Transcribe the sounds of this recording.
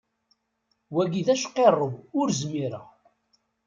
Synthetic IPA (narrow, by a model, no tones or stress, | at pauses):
wæɡiðæʃqːerˤːəvʊɾzmiɾə̰